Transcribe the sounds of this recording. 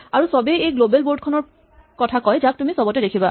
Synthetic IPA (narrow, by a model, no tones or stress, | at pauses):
aɹusɔbeejɡlobɛlboɹdkʰɔnɔɹ | kɔtʰakɔjzak̚tumisɔbɔtɛdekʰiba